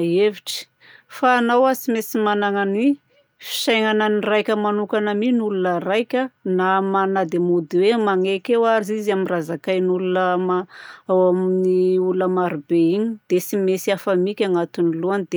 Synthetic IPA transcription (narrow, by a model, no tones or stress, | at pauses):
eviʈ͡ʂə̥ | faːnawasimesimanaŋanwi | fi̥sajŋananirajkʲəmanukanaminulunərajkʲənamanad̪emud̪iwemaŋekewaɾizizaminrazakajnulunəmaawaminiuuləmaɾubeiɲid̪̥esimesiafamikʲaŋat̪uniluanid̪e